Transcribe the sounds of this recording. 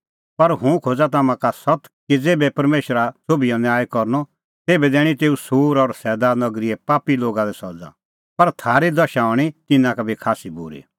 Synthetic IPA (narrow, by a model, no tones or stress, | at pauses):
pɐɾɦũkʰoːd͡zat̪̬aːmãkasɔt̪kid͡zeːbɛpɐɾmeːʃɾasobijɔnjaːjkɔɾnɔ | t̪eːbɛd̪ɛːɽ̃it̪eːusuːɾɔɾsɛːd̪anɐɡɾiɛpaːpiloːɡad̪ɛsɔd͡za̰ | pɐɾt̪ʰaːɾid̪ɐʃaɔːɽ̃it̪ɪnãkabʱikʰaːsibṵɾḭ